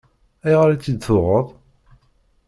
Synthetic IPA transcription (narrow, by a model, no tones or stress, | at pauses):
æjʁəɾæt͡sːid̪θʊʁəðˤ